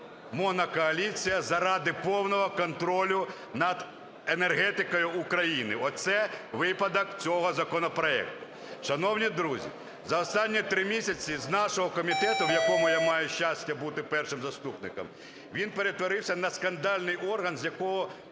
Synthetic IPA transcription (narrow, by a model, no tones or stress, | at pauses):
mɔnɐkɔɐlʲit͡sʲijɐzɐɾɑd̪ɪpɔwnɔɦɔkɔnt̪ɾɔlʲʊ | nɐd̪ | enerɦɛt̪ɪkɔjʊːkɾɐjinɪɔsɛʋɪpɐd̪ɔkt͡sʲɔɦɔzɐkɔnɔpɾɔɛ̰k̚t̪ʊ̥ | ʃɐnɔwnʲid̪ɾuzʲḭ | zɐɔst̪ɑnʲːit̪ɾɪmʲisʲɐt͡sʲiznɑʃɔɦɔkɔmʲit̪ɛt̪ʊʋjɐkɔmʊjamɑjʊʃʲt͡ʃasʲtʲɐbut̪ɪpɛrʃɪmzɐst̪upnɪ̰kɐ̰m | ʋʲinpeɾet̪ʋɔɾɪwsʲɐnɐskɐnd̪ɑlʲnɪjɔrɦɐnzʲjɐkɔɦɔ